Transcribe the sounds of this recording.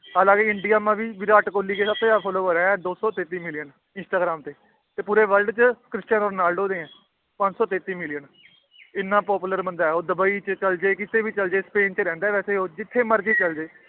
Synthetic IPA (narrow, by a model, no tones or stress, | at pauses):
əlaːɡeːɪɳɖijaːmãːʋiːʋɪɾaːʈkoːliːkeːsəbt̪eːaːpʰɔːloːkoːɾẽːɛːd̪oːsɔːt̪eːt̪iːmɪlɪjən | ɪnsʈaːɡɾaːmt̪eː | t̪eːpuːɾeːʋəlɖt͡ʃəkɾɪst͡ʃənoːɾnaːlɖoːd̪ẽːɛ̃ː | pə̃ɲd͡ʒsɔːt̪eːt̪iːmɪlɪjən | ɪnːãːpɔːpuːləɾbənd̪aːɛoːd̪əbaːiːt͡ʃət͡ʃəld͡ʒeːkɪt̪ʰeːʋiːt͡ʃəld͡ʒeːspeːnt͡ʃɾɛ̃ːnd̪aːʋɛːseːoːd͡ʒɪt̪ʰːeːməɾd͡ʒiːt͡ʃəld͡ʒeː